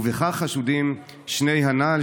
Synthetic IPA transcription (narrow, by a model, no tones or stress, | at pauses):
veχaχaʃudim | ʃne̞jɦanal